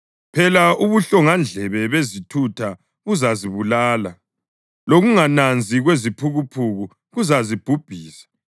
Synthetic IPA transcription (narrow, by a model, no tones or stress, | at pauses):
pʰɛlauβuɬɔŋand͡ɮʱɛβɛβezitʰutʰa | ɣuzaziβulaːla | loɣuŋanand͡zʱiɣwezipʰuɣupʰuɣu | ɣuzazib̥ʱub̥ʱiːsḁ